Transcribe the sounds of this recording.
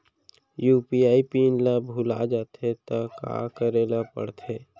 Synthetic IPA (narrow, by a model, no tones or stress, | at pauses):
juːpiaːipiːnlabʱula̰d͡ʒaːt̪ʰet̪aka̰ːkəɾeːlapə̰ɽt̪ʰeː